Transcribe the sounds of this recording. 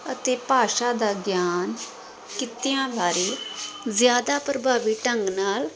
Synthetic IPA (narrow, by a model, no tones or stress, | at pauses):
ət̪eːpaːʃaːd̪aːɡjaːn | kɪt̪ɪjãːbaːɾiːzjaːd̪aːpɾəbʱaːʋiːʈəŋɡnaːl